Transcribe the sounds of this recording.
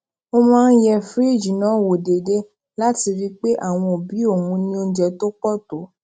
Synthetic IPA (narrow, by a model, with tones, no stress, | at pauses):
o˦mãː˦n̩˦jɛ˦fɾi˦˨d͡ʒi˨nãː˨˦˨wo˨de˨de˦ | la˦ti˧ɾi˦k͡pe˦ʔa˦˨w̃ɔ̃˧o˨bi˨˦o˦˨wũ˨˧˦nĩ˦o˧˦d͡ʒɛ˧to˦k͡pɔ˦˨to˨˦